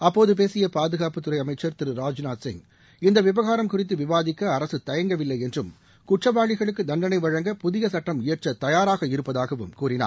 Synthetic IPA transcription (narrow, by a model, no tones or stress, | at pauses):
ɐpːoːðɯp̬eːsɪjɐpaːðɯɣaːpɯt̪ːɯɾɐɪɐmɐɪt͡ʃːɐɾt̪ɪɾɯɾaːd͡ʒnaːsɪ̰ŋ | ɪnd̪ɐʋɪbɐɣaːɾɐmkʊrɪt̪̬ːɯʋɪʋaːðɪkːɐːɾɐsɯt̪ɐjɐŋɡɐʋɪlːɐɪɛndrɯm | kʊʈrɐʋaːɻɪɣɐɭɯkːɯd̪ɐnɖ̪ɐnɐɪʋɐɻɐŋɡɐpʊðɪɣɐsɐʈːɐmɪjɐʈʈrɐt̪ɐjaːɾaːɣɐɪɾɯpːɐðaːɣɐʋɯ̰mkuːrɪna̰ː